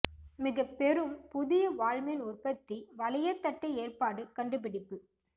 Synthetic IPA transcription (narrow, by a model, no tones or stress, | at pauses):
mɪɣɐpːɛɾɯmpʊðɪjɐʋaːɻmɪnʊrpɐt̪ːiʋɐlɪjɐt̪ːɐʈːɐeːrpaːɽɯkɐɳɖɯp̬ɪɽɪpːɯ